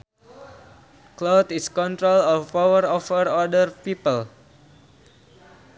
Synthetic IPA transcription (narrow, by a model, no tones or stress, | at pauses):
klot̪iskɔnt̪ɾolɔfawəɾɔfəɾɔdərpipəl